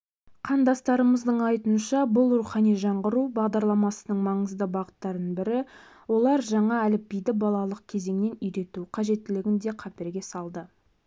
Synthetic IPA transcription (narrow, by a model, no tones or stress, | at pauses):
qʰɑnd̪ɑst̪ɑɾəməzd̪əɴɑjt̪unʃɑbʊlˠɾuχɑnijʒɑɴʁəɾubɑʁd̪ɑɾlˠɑmɑsənəɴmɑɴəzd̪əbɑʁət̪ːɑɾd̪əɴbɪɾɪ | wo̞lˠɑɾʒɑɴɑælɪp̚bijd̪ɪbɑlˠɑlˠəq̚kʲʰe̞ze̞ŋne̞nʏjɾe̞t̪uqʰɑʒe̞t̪ːɪlɪɡʲɪnd̪e̞qʰɑpeɾɡʲe̞sɑlˠd̪ə